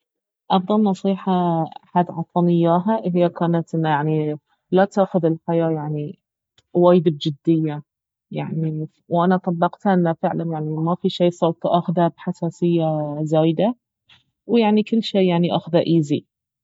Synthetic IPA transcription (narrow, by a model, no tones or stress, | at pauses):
ʔɑfd̪ˤɑlnɑsˤiːħɑaħad̪ʕɑt̪ˤɑnɪjːaːɦaʔɦɪjːakaːnat̪ʔɪnːajaʕni | lat̪aːxʊðɪlħajaːjaʕni | waːjd̪ɪb̚d͡ʒɪd̪ːɪjːa | jaʕni | wʔanat̪ˤɑbːɑqt̪haʔɪnːafɪʕlanjaʕnimafiʃiːsˤowt̪ˤʔaxðabħasaːsɪjːazaːjd̪a | wjaʕnikɪlːʃeːjaʕniʔa̰xðaʔiːzi